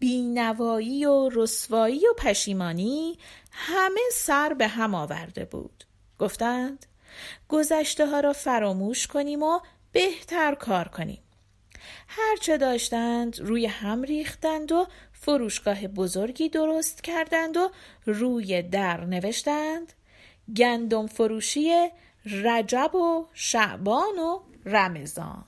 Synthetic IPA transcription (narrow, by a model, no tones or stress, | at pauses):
b̥iːnævɒːjiːoɾosvɒːiːjopʰæʃiːmɒːniːhæme̞sæɾbe̞ɦæmɒːvæ̰ɾd̪e̞̰bṵːd̪̥ | ɡ̥oft̪ænd̪̥ | ɡ̥o̞zæʃt̪e̞ɦɒːɾɒːfæɾɒːmuːʃkʰo̞niːmo | b̥e̞ht̪ʰæɾkʰɒːɾkʰo̞nḭːm | hæɾt͡ʃʰed̪ɒːʃt̪ænd̪ɾuːjehæmɾiːxt̪ænd̪ofoɾuːʃɡ̥ɒːɦe̞bo̞zo̞ɾɟiːd̪o̞ɾost̪cʰæɾd̪ænd̪oruːje̞d̪æɾne̞ve̞ʃt̪ænd̪̥ | ɟænd̪o̞mfo̞ɾuːʃiːje | ræd͡ʒæboʃæʔbɒːno | ræme̞zɒ̰ːn